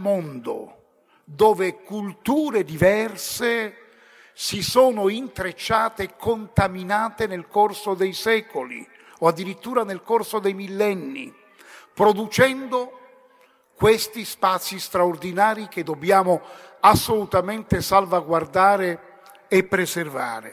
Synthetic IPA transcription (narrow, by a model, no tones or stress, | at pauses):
mond̪o̰ | d̪oːvekult̪uːɾed̪ivɛrse | sisoːnoint̪ɾet͡ʃːaːt̪ekʰːont̪aminaːt̪enelkorsod̪ejsɛːkolḭ | oad̪ːiɾit̪ːuːɾanelkorsod̪ejmilːɛnːḭ | pɾod̪ut͡ʃɛnd̪o | kwest̪ispaːt̪sːist̪ɾaord̪inaːɾiked̪ːobjaːmoasːolut̪ament̪esalvaɡward̪aːɾeː | pːɾeserva̰ːɾe